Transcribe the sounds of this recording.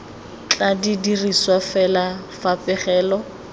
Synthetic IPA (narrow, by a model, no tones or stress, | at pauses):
t͡ɬʼadidiriswafɛla | fapʼɪχɛːlɔ